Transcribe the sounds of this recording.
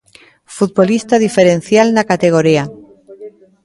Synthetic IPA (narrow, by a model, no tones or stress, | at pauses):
fut̪̚βolist̪aðifeɾẽn̟θjalnakat̪eɣ̞oɾia